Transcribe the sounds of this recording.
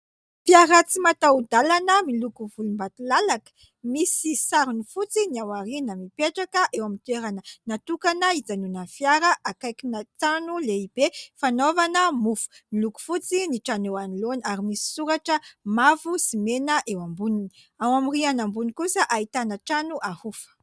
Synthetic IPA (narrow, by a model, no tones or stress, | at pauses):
piaɾat͡simat̪aud̪alanəmilukuvulumbat̪ulalakə̥ | misisaɾunifut͡siniawaɾinamipeʈ͡ʂakəʔewamint̪eɾanənat̪ukanəid͡zanunanfjaɾəʔakajkinat͡sanuleib̥efanovanəmufu̥miluku̥fut͡siniʈ͡ʂanowanilonaɾimisi̥suɾaʈ͡ʂəmavusimenəʔewambunini | awamirianambunikusəʔait̪anaʈ͡ʂanuʔahufə̥